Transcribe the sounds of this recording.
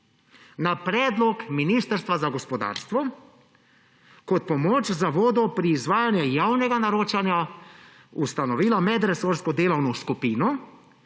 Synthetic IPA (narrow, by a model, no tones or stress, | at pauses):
napɾɛːd̪lɔkminiːst̪əɾst̪ʋazaɡɔspɔd̪a̰ːɾst̪ʋɔ | kɔt̪̚pɔmoːt͡ʃzaʋoːd̪ɔpɾiːzʋaːjanjɛjaːwnɛɡanaɾoːt͡ʃanja | ust̪anɔʋiːlamɛd̪ɾɛsoɾskɔd̪eːlawnɔskupiːnɔ